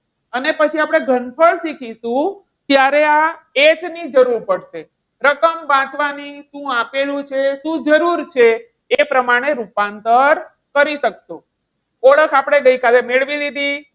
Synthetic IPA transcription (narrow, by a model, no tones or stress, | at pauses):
ənepət͡ʃʰiapɽ̃eɡʱənpʰəɭsikʰiʃũ | t̪jaɾeaet͡ʃnid͡ʒəɾuɾpəɽʃe | ɾəkəmbãt͡ʃʋaniʃũapelũt͡ʃʰeʃũd͡ʒəɾuɾt͡ʃʰeː | pɾəmaɽ̃eɾupant̪əɾ | kəɾiʃəkʃũ | ɔɽəkʰapɽ̃eɡəikalemeɭʋid̪id̪i